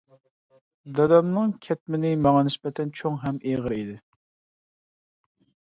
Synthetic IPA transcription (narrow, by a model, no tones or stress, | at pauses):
d̪ɛd̪ɛmnɨŋkʲʰɛt̪̚mɪnɪmɑŋɑnɪspɛt̪ʰːɛnt͡ʃʰoŋɦɛmeʁəɾid̪ɪ